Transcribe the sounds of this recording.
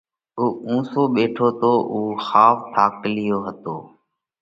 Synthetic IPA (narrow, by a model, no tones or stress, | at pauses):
uːũːsoːɓeːʈʰoːt̪oːʔuːxaːft̪ʰaːklɪjoːɦət̪oː